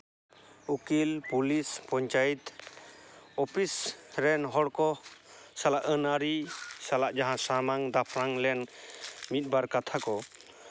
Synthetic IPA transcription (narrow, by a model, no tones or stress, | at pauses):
ukilpulispɔɲt͡ʃajit̪ | ɔpʰisɾɛnɦɔɽkɔsalaʔənaɾisalaʔd͡ʒaɦãsamaŋd̪apʰɾaŋlɛnmit̪̚ˀbaɾkat̪ʰakɔ